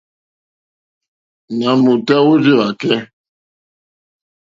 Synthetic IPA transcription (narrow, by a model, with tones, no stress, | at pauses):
na˨mu˨tɛ˦wu˦d͡ʒi˦ɾa˨kɛ˦